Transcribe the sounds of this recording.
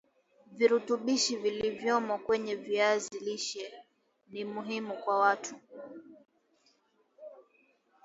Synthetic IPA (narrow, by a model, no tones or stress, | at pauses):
viɾutuɓiʃivilivjɔmɔkwɛɲɛviaziliʃɛ | nimuɦimukwawatʰu